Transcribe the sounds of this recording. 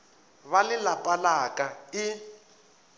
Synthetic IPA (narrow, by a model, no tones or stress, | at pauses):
βalɪlapʼalakʼaɪ